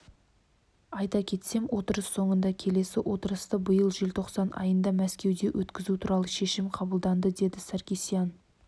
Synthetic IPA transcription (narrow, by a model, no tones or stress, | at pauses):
ɑjt̪ɑkʲʰe̞t̪se̞mwo̞t̪əɾəsːo̞ɴənd̪ɑkʲʰe̞le̞sɪwʔo̞t̪əɾəst̪əbəjəlˠʒɪlt̪ʰo̞qsɑnʔɑ̰jənd̪ɑmæskʲe̞wd̪e̞wʔɵt̪kʲɪzut̪ʰuɾɑlˠəʃe̞ʃɪmqʰɑbəlˠd̪ɑnd̪əd̪e̞d̪ɪsæɾkʲesijan